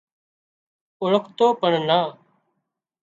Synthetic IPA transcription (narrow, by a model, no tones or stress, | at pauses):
ʊɭəkʰt̪oːpəɳnaː